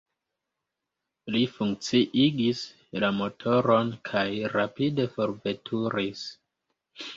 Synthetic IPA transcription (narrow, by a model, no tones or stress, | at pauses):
lifuŋk̚t͡siʔiɡis | lamo̞tʰo̞ɾo̞nkʰajɾapide̞fo̞ɾve̞tʰuɾis